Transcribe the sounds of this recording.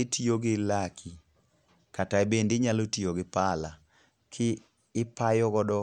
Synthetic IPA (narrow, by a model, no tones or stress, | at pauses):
etʰioɡɪlakʰi | kataebendɪɲalotioɡɪpala | kʰɪː | pajɔɡɔdɔ